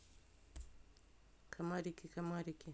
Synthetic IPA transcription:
kʰamaɾikikamaɾiki

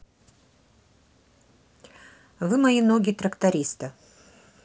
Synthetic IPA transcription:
vɨmɐinoɡʲɪt̪ɾɐkt̪ɐɾʲist̪ɨ

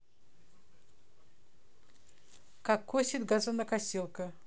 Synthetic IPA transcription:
kakʰːosʲɪt̪ɡazɐnɐkasʲilˠkə

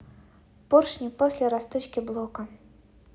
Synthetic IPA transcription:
porʂnʲipɔsʲlʲɛɾast̪ɨt͡ɕkʲiblˠɔkɐ

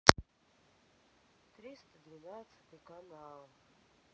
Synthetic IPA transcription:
t̪ɾʲist̪ɨd̪vʲinat̪sɨ̥t̪ʲɨkanalˠ

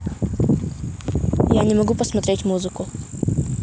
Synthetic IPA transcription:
janʲɪmɐɡupəsmɐt̪ɾʲetʲmuzɨkʊ

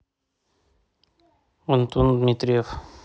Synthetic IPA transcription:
ənt̪und̪mit̪ɾijef

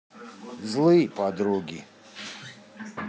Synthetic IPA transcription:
zlˠɨjpʰad̪ɾuɡʲḭ

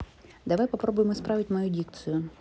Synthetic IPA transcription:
d̪ɐʋajpɐpɾɔbʊjɪmɔspɾaʋʲɪtʲmɐjudʲik̚t̪sɨjʊ

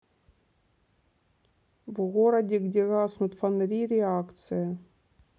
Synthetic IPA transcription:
vɣoɾɐdʲiɡdʲeɣaːsnut̪fanɾʲiɾʲeakt̪sɨja

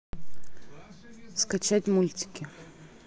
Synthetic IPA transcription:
skat͡ɕatʲmulʲtʲɪ̥kʲɪ

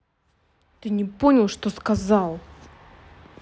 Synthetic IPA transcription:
t̪ɨnʲɪponʲɪlˠʂt̪oskɐzɑlˠ

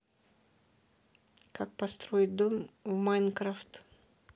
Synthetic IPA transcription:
kak̚pɐst̪ɾojɪt̪̚d̪omvmajnkɾaft̪

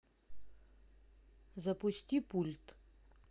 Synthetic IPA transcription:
zɐpusʲtʲipulʲt̪

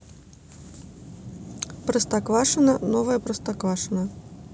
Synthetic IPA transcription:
pɾɐst̪akvaʂɨnɐnɔvɐjɐpɾɐst̪akvaʂɨnɐ

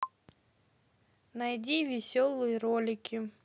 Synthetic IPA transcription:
najdʲivʲɪsʲɔlˠɨjəɾolʲɪkʲi

